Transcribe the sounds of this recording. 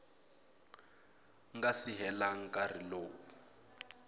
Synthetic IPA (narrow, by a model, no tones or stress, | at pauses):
ŋɡasiɦɛlaŋ̩kʼariloːwu